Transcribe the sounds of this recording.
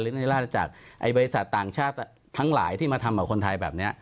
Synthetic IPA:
lɯː˦˥i˥˩laː˥˩a˧t͡ɕa̰ː˨˩k̚ʔa˧jbɔː˧ɾi˧sa˨˩t̪ːaː˨˩ŋt͡ɕʰaː˥˩t̪ | t̪ʰːa˦˥ŋla̰ː˩˦jt̪ʰi˥˩maː˧t̪ʰa˧mkɔː˨˩kʰo˧nt̪ʰa˧jbɛː˨˩p̚ni˦˥ɐʔ

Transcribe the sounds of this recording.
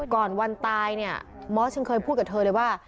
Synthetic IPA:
kɔː˨˩nwa˧nt̪aː˧jni˥˩ɐmɔː˦˥t͡ɕʰa˧˥nkʰɤː˧jpʰuː˥˩ka˨˩t̪ʰɤː˧lɤ˧jwaː˥˩

